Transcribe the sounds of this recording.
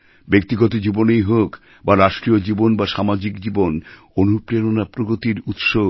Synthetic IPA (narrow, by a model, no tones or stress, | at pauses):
bek̚t̪iɡɔt̪od͡ʑibonejɦok | baɾaʃʈɾiod͡ʑibonbaʃamad͡ʑikd͡ʑibon | onupɾeɾonapɾoɡot̪iɾut̪ʃo